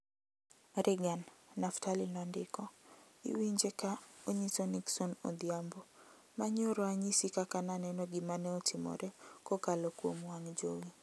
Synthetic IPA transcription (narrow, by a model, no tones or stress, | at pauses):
ɾɪɡanːaftalinɔandɪkɔḭwiɲd͡ʒekaoɲisɔniksɔnɔ̰d̪jambo | maɲoɾɔaɲisikakananɛnɔɡɪmanɛɔtʰɪmɔ̰ɾʔɛkokalɔkwomwaŋd͡ʒowi